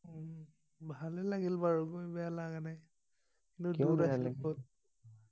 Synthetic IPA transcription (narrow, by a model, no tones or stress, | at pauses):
bʱalɛlaɡilbaɹukojbɛjalaɡanaj | kintuduɾasɔt̚